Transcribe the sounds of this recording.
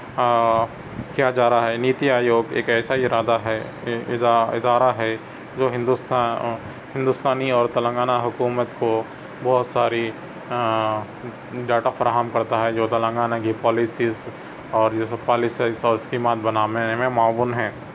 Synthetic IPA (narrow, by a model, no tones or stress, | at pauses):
kijad͡ʒaːɾaɦɛniːt̪iaːjoːɡḛːkɛːsaɪɾaːd̪aɦɛ | ɪd̪aːɾaɦɛ | d͡ʒoːɦɪ̃nd̪us | hɪ̃nd̪ʊst̪aːniɔːɾt̪ɐlə̃ŋɡaːnaɦʊkuːmət̪ko | bɔɦʊt̪saːɾi | ɖaːʈafɐɾaːɦəmkɐɾt̪aɦɛd͡ʒoːt̪ɐlə̃ŋɡaːnakipɔːlɪsiːz | ɔːɾspaːlɪsasɔːɾɪskiːmaːt̪̚bɐnaːʋemẽmaːbʊnɦɛ̃ː